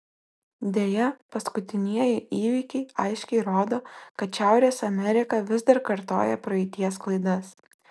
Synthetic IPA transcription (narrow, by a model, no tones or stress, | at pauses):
d̪ʲeːjɛpɐskʊt̪ʲɪnʲiɛjɪʔiːʋʲiːkʲɛɪɐɪʃʲkʲɛɪɾoːd̪oːkɐt̪ʃʲæˑʊɾʲeːsɐmʲɛɾʲɪkɐʋʲɪzd̪ɐɾkɐɾt̪o̰ːjɛpɾɐɛɪt̪ʲiɛsklˠɐɪd̪ɐs